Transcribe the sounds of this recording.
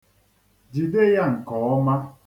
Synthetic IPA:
d͡ʒi˨de˦ja˦˨ŋ̩˨kɔ˨ɔ˦ma˦

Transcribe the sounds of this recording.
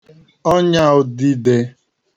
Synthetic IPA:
ɔ˦ɲa˦ʊ˨di˦de˨

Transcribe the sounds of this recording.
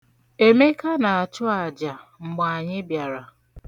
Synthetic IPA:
e˦me˦ka˦na˨a˨t͡ʃʊ˦a˨d͡ʒa˨ŋ͡m̩˨ɡ͡ba˨a˨ɲɪ˦bja˨ɾa˨

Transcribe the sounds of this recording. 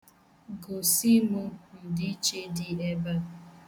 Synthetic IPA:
ɡo˨si˦mʊ˦n̩˨dɪ˦t͡ʃe˦dɪ˦e˦ba˦

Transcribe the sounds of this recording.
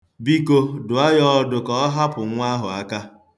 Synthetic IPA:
bi˦ko˦dʊ˨a˦jɔ˦dʊ˨kɔ˦ɦa˦pʊ˨˦ŋʷa˦ɦʊ˨a˦ka˦

